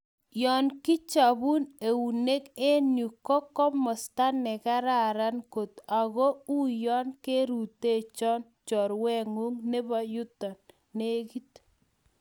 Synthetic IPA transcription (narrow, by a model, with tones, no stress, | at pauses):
jɔ˨nkɪ˦t͡ʃa˨bu˦ne˨wu˨ne˦ke˦nju˨kɔ˦kɔ˦mɔ˨sta˦nɛ˨ka˦ɾa˦˨ɾa˦nko˨t̪a˨ɣɔ˦u˦jɔ˦nke˦ɾu˨te˦˨t͡ʃɔ˦n | t͡ʃɔ˨ɾwɛ˦ŋu˦ŋne˦bɔ˦ju˦tɔ˨nː | e˦ki˦t